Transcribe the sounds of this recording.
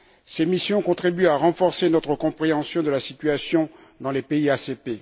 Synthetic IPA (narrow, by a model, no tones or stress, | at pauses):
semisjɔ̃kɔ̃t̪χibyaʁɑ̃fɔʁsenɔt̪χəkɔ̃pχeɑ̃sjɔ̃d̪əlasit̪ɥasjɔ̃ | d̪ɑ̃lepeiasepe